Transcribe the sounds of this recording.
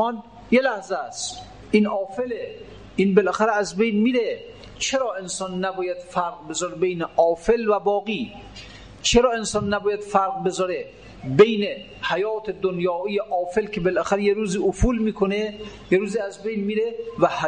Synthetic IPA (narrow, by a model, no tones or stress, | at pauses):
ɒn | jelæhzestt̪ | ʔiːnʔɒːfele | ʔiːnbelʔæxæɾeæzbejnmiɾe | t͡ʃʰeɾɒːensɒːnːæbɒːjæd̪̥fæɾɡbezɒɾebejneʔɒːfelvæbɒːɣiː | t͡ʃʰeɾɒːensɒːnːæbɒːjæd̪̥fæɾqbezɒːɾe | bejne | hajɒːt̪ʰed̪onjɒːijeʔɒːfelkʰebelʔæxæɾejeɾuːziːʔofuːlmiːkʰonejeɾuːziːæzbejnmiːɾevæh